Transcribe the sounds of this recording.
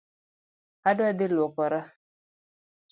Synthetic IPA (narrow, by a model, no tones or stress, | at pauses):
hadwad̪ilɔkɔɾa